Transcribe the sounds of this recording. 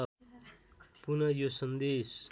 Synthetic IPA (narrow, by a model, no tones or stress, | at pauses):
punʌjosʌnd̪es